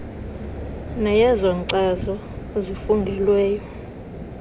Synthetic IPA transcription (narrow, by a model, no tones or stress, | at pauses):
nɛjɛzɔǀɛzɔ | zifuŋɡʱɛlwɛːjɔ